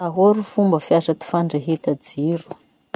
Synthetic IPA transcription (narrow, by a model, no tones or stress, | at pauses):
aɦoɾufumbəfjasat̪i̥faɳɖ͡ʐaɦet̪ad͡ziɾu̥